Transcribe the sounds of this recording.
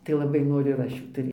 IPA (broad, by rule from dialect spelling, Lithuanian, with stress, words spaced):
tɐɪ lˠɐˈbɐɪ ˈnoːrʲʊ ɪr ˈɐʃ ˈjuː ˈtɐɪ